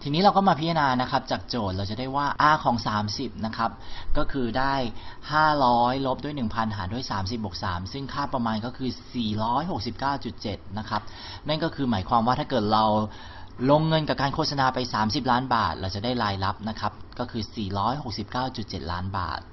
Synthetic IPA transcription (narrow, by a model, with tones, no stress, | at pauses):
t̪ʰiː˧niː˦˥ɾa˧wkɔː˥˩maː˧pʰi˦˥a˧naː˧na˦˥kʰa˦˥p̚t͡ɕaː˨˩k̚t͡ɕoː˨˩t̪̚ɾa˧wt͡ɕa˨˩da˥˩jwaː˥˩ʔaː˥˩kʰɔː˩˦ŋsaː˩˦msi˨˩p̚na˦˥kʰa˦˥p̚kɔː˥˩kʰɯː˧daː˥˩jhaː˥˩ɾɔː˦˥jlo˦˥p̚du˥˩əjnɯ˨˩ŋpʰa˧nɦaː˩˦du˥˩əjsaː˩˦msi˨˩p̚bo˨˩k̚sa̰ː˩˦msɯ˥˩ŋkʰaː˥˩pɾa˧maː˧nkɔː˥˩kʰɯː˧siː˨˩ɾɔː˦˥jɦo˨˩k̚si˨˩p̚kaː˥˩wt͡ɕu˨˩t̪̚t͡ɕe˨˩t̪̚na˦˥kʰa˦˥p̚ | na˥˩nkɔː˥˩kʰɯː˧maː˩˦jkʰwaː˧mwaː˥˩t̪ʰaː˥˩kɤː˨˩t̪̚ɾa˧w | lo˧ŋːɤ˧nka˨˩p̚kaː˧nkʰoː˥˩t̪̚sa˧naː˧pa˧jsaː˩˦msi˨˩p̬̚laː˦˥nbaː˨˩t̪̚ɾʔa˧wt͡ɕa˨˩daː˥˩jlaː˧jla˦˥p̚na˦˥kʰa˦˥p̚kɔː˥˩kʰɯː˧siː˨˩ɾɔː˦˥jɦo˨˩k̚si˨˩p̚kaː˥˩wt͡ɕu˨˩t̪̚t͡ɕe˨˩t̪̚la̰ː˦˥nba̰ː˨˩t̪̚